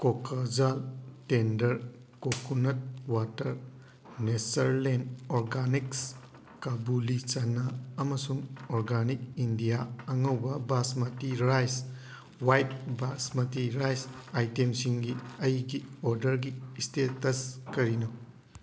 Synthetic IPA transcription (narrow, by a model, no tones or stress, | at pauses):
kokʰad͡ʒaltendɐɾ | kokunɐt̚watɐɾ | nesɐɾlendɔɾɡaniks | kabulit͡ʃɐnɐɐmɐsuŋoɾɡanik̚indijaɐŋɐwbɐbasmɐtiɾajs | wajt̚basmɐtiɾajsajtemsiŋɡiɐjɡiɔɾdɐɾɡistetɐskɐɾinɐ